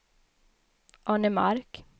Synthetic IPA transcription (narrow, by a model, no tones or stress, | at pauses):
ʔɑnəmɑ̰ɾk